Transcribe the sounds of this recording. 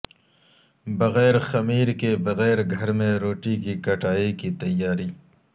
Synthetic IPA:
bɐɣɛːɾxɐmiːɾkebɐɣɛːɾɡʱɐɾmẽɾoːʈikikɐʈaːikit̪ɐjːaːɾiː

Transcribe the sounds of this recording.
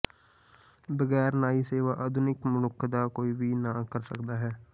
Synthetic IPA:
bəɣɛːɾnaːiːseːʋaːʔəd̪ʱʊnɪkmʊnʊkʰːd̪aːkoːiːʋiːnaːkəɾsə̰kd̪aːɦɛː

